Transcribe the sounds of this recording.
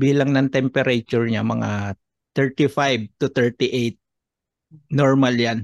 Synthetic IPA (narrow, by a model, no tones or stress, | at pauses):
biːlɐŋnɐŋt̪ɛmpɛɾʔɐt͡ʃʊɹɲamɐŋa | t̪ɛɹt̪ifajb̚t̪ʊt̪ɛɹt̪ɪʔejt̪̚ | noɹmaljan